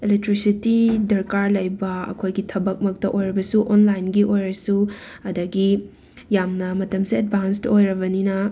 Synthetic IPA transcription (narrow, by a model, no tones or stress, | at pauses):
elek̚tɾisitidɐɾkaɾlɐjbɐɐ̰kʰojɡitʰɐbɐk̚mɐk̚tɐʔojɾɐbɐsuʔonlajnɡiʔojɾɐsuɐdɐɡi | jamnɐmɐtɐmsied̚bʱanstojɾɐbɐninɐ